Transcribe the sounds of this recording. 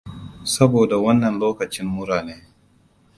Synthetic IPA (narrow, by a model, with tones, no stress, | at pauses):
sɐ˦boː˨da˨wɐ˦nːɐ˨nloː˦kɐ˨t͡ʃɪ˦mːʊ˦ɽaː˨neː˦